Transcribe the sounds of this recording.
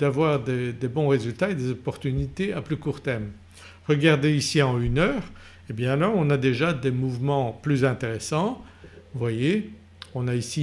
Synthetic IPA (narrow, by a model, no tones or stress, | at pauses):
d̪avwaʁd̪ed̪ebɔ̃ʁezylt̪aed̪ezɔpɔʁt̪ynit̪eaplykuʁt̪ɛʁm | ʁəɡaʁd̪eisiɑ̃ynœːʁ | ebjɛ̃alɔʁɔ̃nad̪eʒad̪emuvmɑ̃plyzɛ̃t̪eʁesɑ̃vwaje | ɔ̃naisi